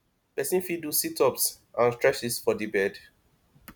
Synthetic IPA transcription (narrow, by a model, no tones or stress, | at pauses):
pɛsĩnfidusitɔps | ʔãnstɹɛsisfɔdibɛd